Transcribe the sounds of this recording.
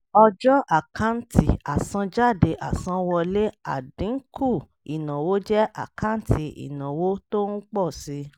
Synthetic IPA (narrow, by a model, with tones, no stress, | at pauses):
ɔ˧d͡ʒɔ˦ʔa˦˨ka˦n̩˦ti˨a˨sã˧d͡ʒa˦˨de˧ʔa˨sã˧wɔ˧le˦a˨dĩ˨˦ŋ̩˦kʰu˦˨ | i˨nã˨wo˦d͡ʒɛ˦ʔa̰˨ka˦n̩˦ti˧ḭ˨nã˨wo˦to˦n̩˦k͡pɔ˦˨si˧